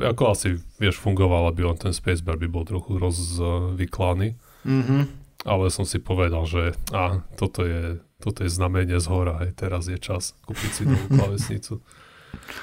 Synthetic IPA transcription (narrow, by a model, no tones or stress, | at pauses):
ʔakɔasiʋɪɛʃfuŋɡɔʋalabiɔnt̪ɛnspɛjzbɛɾbibɔlˠt̪ɾɔxuɾɔzʋiklaniː | ɦʔalɛsɔmsipɔʋɛd̪alʒɛat̪ɔt̪ɔjɛt̪ɔt̪ɔjɛznamɛɲɪɛzɦɔɾaɦɛjt̪ɛɾazjɛt͡ʃaskuːpisid̪ɔʋuːlaʋɛsɲit͡su